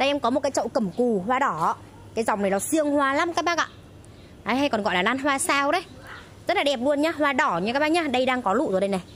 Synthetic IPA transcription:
ɗə˧jʔɛ˧mkɔ˨˦m˨˩t̚aː˨˦jt͡ɕə̰˧˨wkə˧˩mku˨˩hwaː˧ɗɔ˧˩˧ | kaː˨˦jzɔ˨˩wŋ͡mna˨˩jlaɔ˨˩sɨ˧əŋhwaː˧˩la˨˦˥mkaː˦˥k̚ɓaː˦˥k̚a̰˧˨ | ʔaː˨˩ɦa˧jkɔ˨˩nɣɔ̰˧˨jlaː˨˩laː˧˩nɦwaː˧saː˧wɗə˨˦j | zə˦˥t̚laː˨˩ɗɛ˨˩p̚lu˧ənɲaː˧ɦwaː˧ɗɔ˧˩ɲɨ˧ka˦˥ɓaː˧˥ɲaː˧ɗə˧jɗaː˧ŋkɔ˨˦lṵ˧˨zo˨˩jɗə˧jna˨˩j

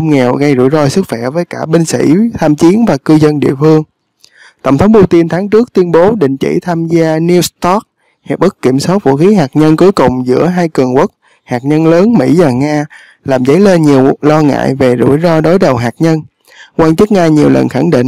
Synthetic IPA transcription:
ŋ͡mŋɛ˨˩wɣə˧jzṵ˧˩jzɔ˧jsɨ˦˥k̚xwɛ˧˩vəː˨˦jkaː˧˩ɓï˧ŋ̟sḭ˧˥t̪ʰaː˧mt͡ɕi˨˦ənvaː˨˩kɨ˧zə˧nɗḭ˧˨əfɨ˧əŋ | t̪ə̰˨˧˩wŋ͡mt̪ʰə˨˦wŋ͡mpu˧t̪i˧nt̪ʰaː˨˦ŋt͡ɕɨ˦˥ək̚t̪wi˧ənɓo˨˦ɗḭ̈˧˨ŋ̟t͡ɕḭ˧˩t̪ʰaː˧mzaː˧ni˧wst̪ɔ˦˥k̚ | hɛ̰˨˧˩ʔɓə˦˥k̚kːi˧˩əmsɔ˦˥t̚vṵ˧˥xi˨˦ɦaː˨˩k̚ɲə˧nku˨˦jkʊ˨˩ŋ͡mzɨ̰˧˥əɦaː˧jkɨ˨˩əŋkwə˦˥t̚ | haː˨˩k̚ɲə˧nləː˨˦nmḭ˧˥vaː˨˩ŋaː˧ | laː˨˩mzə̰˨˧˦jle˧nɲi˨˩əwlɔ˧ŋa̰ː˧˨jve˨˩zṵ˧˩jzɔ˧jɗo˨˦jɗə˨˩wɦaː˨˩k̚ɲə˧n | kwaː˧nt͡ɕɨ˦˥k̚ŋaː˧ɲi˨˩wlə̰˨˩nxa˧˩ŋɗḭ̈˧˨ŋ

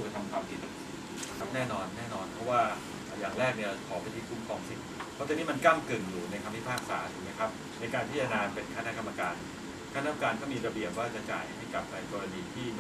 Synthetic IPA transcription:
ka˧˩t̪ʰa˧mkʰwaː˧mpʰi˨˩t̪̚ | nɛː˥˩nɔː˧nːɛː˥˩nɔː˧npʰɔ˦˥waː˥˩ | ʔːjaː˨˩ŋɾɛː˥˩k̚ni˥˩ɐkʰɔː˩˦pa˧nt̪ʰiː˧˩kʰu˨˩˦mkʰɔː˨˩ŋsi˨˩t̪̚pʰɔ˦˥˩t͡ɕɛː˨˩niː˦˥ma˧nka˥˩mkɯ˨˩ŋjuː˨˩na˧jkʰa˧mpʰi˦˥pʰaː˥˩k̚sa̰ː˩˦t̪ʰu˨˦ma˦˥jkʰɾa˦˥p̚ | na˧jkaː˧nt̪ʰiː˥˩t͡ɕa˧naː˧npe˧nkʰa˧na˦˥ʔka˧ma˧kaː˧n | kʰa˧na˦˥ka˧ma˧kaː˧nkʰɔ˥˩miː˧ɾa˧bi˨˩əp̚waː˥˩ka˧t͡ɕa̰ː˨˩jha˥˩jka˨˩p̚ʔa˧jkɔː˧ɾa˧niː˧t̪ʰiː˥˩

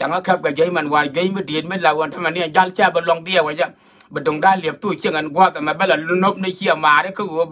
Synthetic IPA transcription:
t͡ʃʲa˨ŋa˦kɛ˦p̚ka˨ɡe˦jma˨n˨wa˨n˨ɡʲe˦mi˦de˨tmi˦la˨wo˨nta˦ma˨ni˦a˨d͡ʒa˦lt͡ʃa˦˨ba˧lo˧ŋdi˦a˨we˨d͡ʒa˦ | bi˨do˨ŋda˦˨le˨p̚tu˦˨kʲe˦˨ŋe˨nɡʷa˦˨ta˨ma˨be˦la˨lu˦no˦p̚ni˦˨ki˦a˨maː˨ɾi˦ki˦ɡo˦

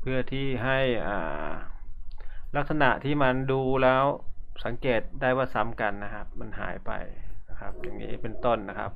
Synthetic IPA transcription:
pʰɯ˥˩ɐt̪ʰiː˥˩ɦa˥˩jʔa̰ː˨˩ | la˦˥k̚sa˧na˧˩ʔt̪ʰiː˥˩ma˧nduː˧lɛː˦˥wsa˩˦ŋkeː˨˩t̪̚daː˥˩jwaː˥˩sa˩˦mka˨nːa˦˧kʰa˦˥p̚ma˧nɦa̰ː˩˦jpa̰˧˩jna˧˥kʰa˦˥p̚ja˨˧˩ŋɲḭː˦˧˥pe˨nt̪o˥˩nːa˦˧˥kʰa˦˥p̚

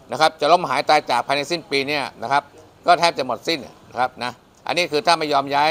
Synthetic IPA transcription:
na˦˥kʰa˦˥p̚t͡ɕa˨˩lo˦˥˩mɦaː˩˦jt̪aː˧jt͡ɕaː˨˩k̚pʰaː˧jna˧jsi˥˩npiː˧ni˥˩ɐna˦˥kʰa˦˥p̚ | kɔː˥˩t̪ʰɛː˦˥p̚t͡ɕa˨˩mo˨˩t̪̚si˥˩n̰na˦˥kʰa˦˥p̚na˦˥ | ʔa̰˧nːiː˦˥kʰɯː˧t̪ʰaː˥˩ma˥˩jɔː˧mjaː˦˥

